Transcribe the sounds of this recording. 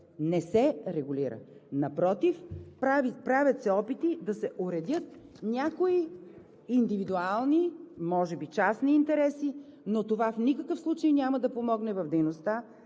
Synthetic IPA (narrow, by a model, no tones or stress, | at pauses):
nɛsɛɾɛɡʊliɾə̰nɐpɾɔt̪ifapɾavʲət̪sɛɔpit̪id̪ɐsɛʔoɾɛd̪ʲjɤt̪̚nʲjakoiː | nd̪ivid̪ualˠnimɔʒɛbit͡ʃasniːnt̪ɛɾɛsinot̪ovafnikəkəfslˠut͡ʃəjnʲamɐd̪ɐpomɔɡnɛvɐvd̪ɛjnost̪a